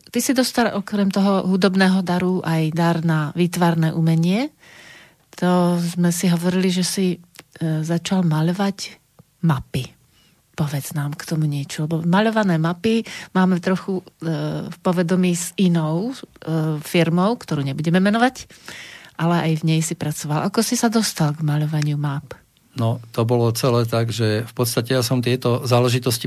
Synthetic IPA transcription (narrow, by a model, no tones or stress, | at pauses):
t̪isid̪ɔst̪alʔɔkɾɛmt̪ɔɦɔɦud̪ɔbnɛːɦɔd̪aɾuʔajd̪aɾnaʋiːt̪ʋaɾnɛːʔumɛɲɪɛ | t̪ʰɔzmɛsiɦɔʋɔɾiliʒɛsi | zat͡ʃalmaʎɔʋac | mapi | pɔʋɛd͡znaːmkt̪ɔmuɲɪɛt͡ʃɔlɛbɔmaʎɔʋanɛːmapimaːmɛt̪ɾɔxu | fpɔʋɛd̪ɔmiːzinɔʊ | fiɾmɔʊkt̪ɔɾuːɲɛbuɟɛmɛmɛnɔʋac | ʔalɛʔajvɲɛjsipɾat͡sɔʋalʔakɔsisad̪ɔst̪alɡmaʎɔʋaɲɪumap | nɔt̪ɔbɔlɔt͡sɛlɛːt̪aɡʒɛfpɔt̪st̪acɛjasɔmt̪ɪɛt̪ɔzaːlɛʒit̪ɔsci